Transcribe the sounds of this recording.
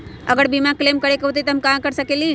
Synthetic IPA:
ɐ̰ɡəɽbimãkleːmkəɾekɐɦut̪̬it̪ɐɦɐmkãkəɾsəkeli

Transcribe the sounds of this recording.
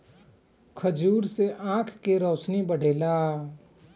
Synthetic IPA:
kʰəd͡ʒuːɾseʔãːkʰkeɾɔːsnibəɽ̤eːlaː

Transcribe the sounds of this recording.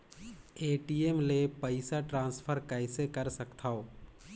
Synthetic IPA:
eːʈiemlepəɪsaʈɾãːnspʰəɾkaɪsekəɾsəkt̪ʰaːoː

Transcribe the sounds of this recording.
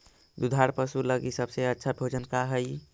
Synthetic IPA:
d̪ud̪ʱaɾpəsuləɡisəbseətːʃʰabʱod͡ʒənkaɦəj

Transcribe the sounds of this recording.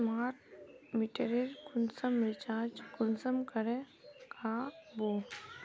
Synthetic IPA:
maːɾmiʈeɾeɾkʊnsəmɾɪt͡ʃaːd͡ʒkʊnsəmkɐɾẽ | kʰaːbo

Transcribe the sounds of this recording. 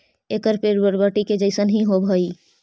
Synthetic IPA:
ekəɾpeɾəɾbəʈiked͡ʒəɪsənɦĩɦobʱəi

